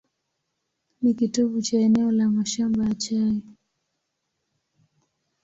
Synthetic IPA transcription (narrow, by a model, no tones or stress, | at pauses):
nikitɔɓut͡ʃaɛnɛɔlamaʃambaat͡ʃaji